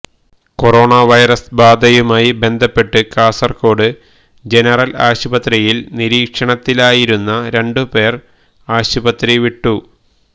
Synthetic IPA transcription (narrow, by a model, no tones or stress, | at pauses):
ko̞ro̞ːɳaʋɐjrɐsbaːd̪ʱɐjumaːjibe̞nd̪ʱɐpːe̞ʈːɨkaːsɐrko̞ːɽɨ | d͡ʑe̞nɐrɐla̰ːɕubɐt̪rijilniɾiːkʂɐɳɐt̪ːilaːjiɾunːɐɾe̞ɳɖɨpe̞ːr | aːɕubɐt̪riʋiʈːu